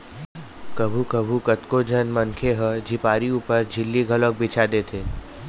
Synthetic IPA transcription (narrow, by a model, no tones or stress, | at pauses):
kɐbʱukəbʱukət̪kod͡ʒʱənmə̃nkʰeɦəd͡ʒʱipaːɾiuːpəɾd͡ʒʱɪlːiɡʱələk̚bɪt͡ʃʰad̪eːt̪ʰeː